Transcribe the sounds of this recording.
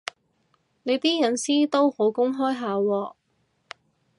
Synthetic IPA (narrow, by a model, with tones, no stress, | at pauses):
ne˨˧jt̪iː˥jɐ˨˧˥nsiː˥t̪o˥who˨˥wkʊ˥ŋɦɔː˥jɦaː˨˧wɔː˧